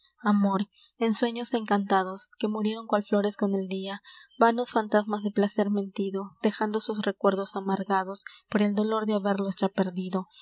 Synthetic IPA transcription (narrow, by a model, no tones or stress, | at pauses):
amo̞ɾ | e̞nswe̞ɲo̞se̞ŋkant̪aðo̞ske̞muɾje̞ɾo̞ŋkwalflo̞ɾe̞sko̞ne̞ld̪iabano̞sfant̪azmazðe̞plase̞ɾmẽ̞nt̪iðo̞d̪̥e̞xand̪o̞susre̞kwe̞ɾðo̞samaɾɣaðo̞spo̞ɾe̞ld̪o̞lo̞ɾðeaβe̞ɾlo̞sd͡ʒape̞ɾðiðo̞